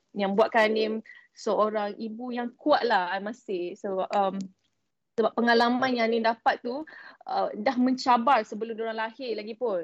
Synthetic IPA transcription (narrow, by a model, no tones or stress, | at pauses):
jaŋbuaʔ̪̚kani | səʔoɾaŋʔibujaŋkuaʔ̪̚lahamasɪhsəbap̚əm | səbapːəŋalamãnjanidapat̪ːuədahmə̃ɲt͡ʃabarsəbəlʊmdoɾaŋlahɪrlaɡipʊn